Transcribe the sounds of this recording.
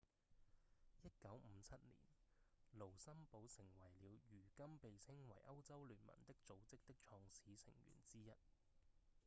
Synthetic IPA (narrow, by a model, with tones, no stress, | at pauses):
jɐ˥t̚kɐ˨˥wm̩˨˧t͡sʰɐ˥t̚lḭː˨˩nlo˨˩wsɐ˥mpo˨˧wsɪ˨˩ŋwɐ˨˩jliː˨˧wjyː˨˩kɐ˥mpe˨jt͡sʰɪ˥ŋwɐ̰˨˩jʔɐ˥wt͡sɐ˥wlyː˨˩nmɐ̰˨˩nt̪ɪ˥k̚t͡so˨˧wt͡sɪ˥k̚t̪ɪ˥k̚t͡ʃʰɔː˧ŋsiː˨˥sʰɪ̰˨˩ŋjy̰ː˨˩nt͡siː˥jɐ˥t̚